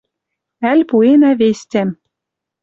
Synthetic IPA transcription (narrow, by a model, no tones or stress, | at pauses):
ælʲpuenævesʲt̪ʲæm